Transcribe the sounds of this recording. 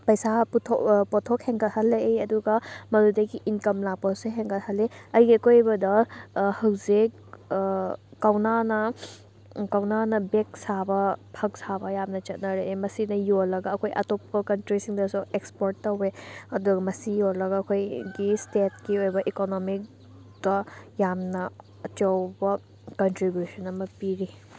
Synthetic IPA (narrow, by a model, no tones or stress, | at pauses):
pɐjsatʰopotʰok̚heŋɡɐthɐlːeʔeɐduɡɐmɐɾudɐɡiʔinkɐmlaposeɦeŋɡɐthɐlːeɐjɡiɐkojbɐdɐhɐwze | kawnanɐ | kawnanɐbek̚sabɐpʰɐk̚sabɐjamnɐt͡ʃɐt̚nɐɾemɐsinɐjolːɐɡɐːkʰojʔɐ̰topːɐkɐntɾisiŋdɐsuekspoɾtːɐweɐduɡɐmɐsijolɐɡɐːkʰojɡistet̚kiojbɐʔikonomik̚ | d̥ɐjamnɐː | t͡ʃɐwbɐ | kɐntɾibjusɐnɐmɐpiɾi